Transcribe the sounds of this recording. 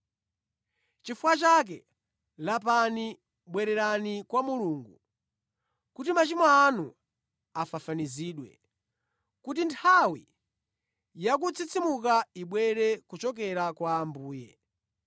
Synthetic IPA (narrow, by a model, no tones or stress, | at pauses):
t͡ʃifuwat͡ʃak̬ɛ | lapani | ɓwɛɾɛɾanikwamuluːŋɡṵ | kutimat͡ʃimɔːnu | afafaniziːɗwɛ̰ | kut̬intʰawi | jak̬ut͡sʰit͡sʰimukaiɓwɛɾɛkut͡ʃɔk̬ɛɾakwaːmbuːjɛ̰